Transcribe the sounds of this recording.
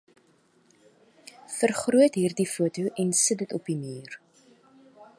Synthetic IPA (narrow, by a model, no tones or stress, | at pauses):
fərχruətɦiːrdifuətuʔɛnsətdətɔpimiːr